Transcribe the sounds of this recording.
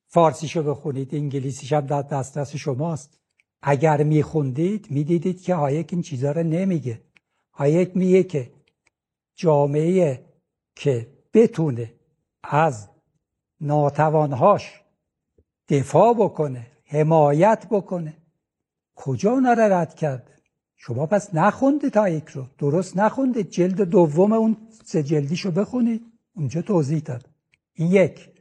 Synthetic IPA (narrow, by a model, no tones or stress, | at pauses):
fɒːɾsiːʃobe̞xuniːd̪iŋɟiliːsiʃæmd̪æɾd̪æst̪ɾæseʃomɒːst̪ | ʔæɟæɾmiːxund̪iːd̪miːd̪iːd̪iːd̪̥kʰehɒːjekint͡ʃʰiːzɒːɾɔne̞miɡe | hɒːjekmiɡekʰe | d͡ʒɒːmeeje | kʰe | b̥e̞t̪ʰune̞ | æz | nɒːt̪ʰævɒːnɦɒːʃ | d̪̥efɒːbokʰone | hemɒːjæt̪ʰbokʰone | kʰod͡ʒɒːunɒːɾɑɾæd̪̥cʰæɾd̪̥ | ʃomɒːpʰæsnæxund̪it̪ʰɒːjecʰɾod̪̥oɾost̪næxund̪id̪̚d͡ʒe̞ld̪ed̪ovːomeun | sed͡ʒeld̪iːʃobe̞xunid̪̥ | und͡ʒɒːt̪ʰoːzihd̪ɒːd̪̥ | injecʰ